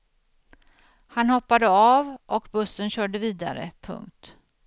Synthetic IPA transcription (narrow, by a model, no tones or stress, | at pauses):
hanhɔpːad̪əaːvʔɔkbɵsːənɕœːɖəviːd̪a̰ɾə̰pʰɵ̰ŋkt̪